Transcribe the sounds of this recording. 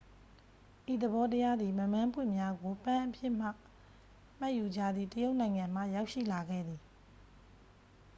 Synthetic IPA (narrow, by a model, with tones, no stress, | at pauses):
ʔi˨d̪ə˨bɔ˦təja˦d̪ði˨mə˨mã˦mpʰwɪ̰̃˦˨mja˦ɡo˨pã˦ʔəpʰjɪ˦˨m̥a̰˦˨ | m̥a˦ʔju˨d͡ʑa˦˨d̪ði˦˨təjo˦ʊʔnã˨ɪ̃ŋã˨m̥ä̰˦˨ja˦ʊʔʃḭ˦˨la˨ɡɛ̰˦˨d̪i˨